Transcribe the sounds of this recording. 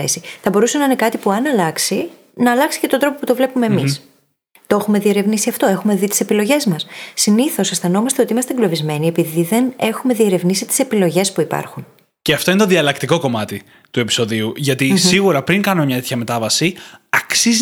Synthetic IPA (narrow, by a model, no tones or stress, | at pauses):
esiθɐbo̞ɾusenɐine̞kɐt̪ipuɐnɐlɐksi | nɐːlɐksi̥cet̪od̪ɾo̞po̞put̪o̞vle̞pume̞ːmis | t̪oexume̞ðie̞ɾe̞vnisiɐft̪o̞e̞xume̞ðit̪i̥se̞pilo̞ʝe̞zmɐsːiniθo̞sesθɐno̞mɐst̪eo̞t̪iimɐst̪eɡlo̞vizme̞nie̞piðiðe̞ne̞xume̞ðie̞ɾe̞vnisit̪i̥se̞pilo̞ʝe̞spuipɐ̰ɾxun | ceɐft̪o̞inet̪oðiɐlɐkt̪iko̞ko̞mɐt̪i | t̪ue̞pi̥so̞ðiuʝɐt̪isiɣuɾɐpɾiŋkɐno̞mɲɐt̪eçɐme̞t̪ɐvɐsiɐksiz